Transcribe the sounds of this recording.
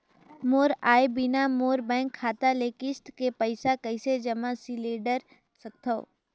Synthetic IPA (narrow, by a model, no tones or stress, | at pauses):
moːɾaːebɪnamoːɾbɛ̃ːŋkʰːaːt̪aleːkɪsʈkepəɪsakɐɪsed͡ʒɐmãsileːɖəɾ | sɐk̚t̪ʰəo̰